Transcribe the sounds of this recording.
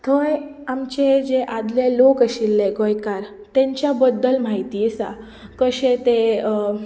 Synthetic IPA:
t̪ʰoj | amt͡ɕed͡ʑeʔad̪lelokəɕilːeɡojkaɾ | t̪ẽɲt͡ɕjabəd̪ːəlmaɦit̪iːsa | kəɕet̪e

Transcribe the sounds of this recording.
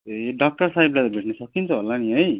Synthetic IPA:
eɖʌk̚ʈʌrsaɦiblat̪ʌbʱeʈnʌsʌkint͡sʰʌɦolːaniɦʌj

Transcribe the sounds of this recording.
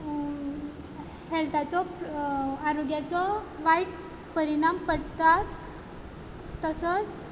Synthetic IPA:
helt̪ʰat͡sɔ | aɾoɡjat͡sɔʋajʈ | pəɾiɽ̃ampəɽt̪at͡s | t̪əsət͡s

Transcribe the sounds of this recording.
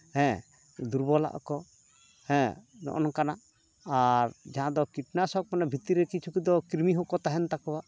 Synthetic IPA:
hɛ̃ | d̪uɾbɔla̰ʔɔ̰kɔ | hɛ̃nɔ̰ʔɔnɔkana | aɾd͡ʒaɦãd̪ɔkiʈnasɔk̚manabʱit̪iɾɛkit͡ʃʰukid̪ɔkiɾmiɦɔkɔt̪aɦɛnt̪akɔwaʔ

